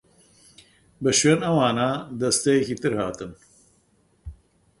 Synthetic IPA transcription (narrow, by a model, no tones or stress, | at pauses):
bɨʃweːnɐwaːnaːd̪ɐst̪ɐjekit̪ɨɾhaːt̪ɨn